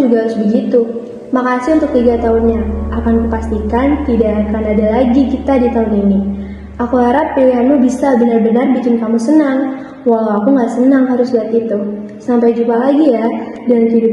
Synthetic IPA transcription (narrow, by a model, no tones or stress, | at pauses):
d͡ʒuɡaɦaɾʊsbəɡit̪u | makasɪunt̪ʊk̚t̪iɡat̪aʊnɲaːkankupast̪ikant̪idaːkanadalaɡikit̪adit̪aʊnini | akuɦaɾapːejanmubisabənarbənarbikɪnkamusənaŋ | waɦlawakuŋɡaʔsənaŋɦaɾʊsbəat̪it̪u | sampajd͡ʒumpalaɡijadalamkidʊp̚